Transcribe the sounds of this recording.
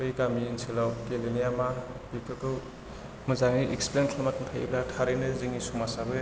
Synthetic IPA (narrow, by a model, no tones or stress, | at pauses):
ojkamiːnsilawkelinijamabikʰatu | mɯzaŋiʔeksplenkʰlamatmtʰaj̰blatʰaɾijnɯziŋisumasabɯ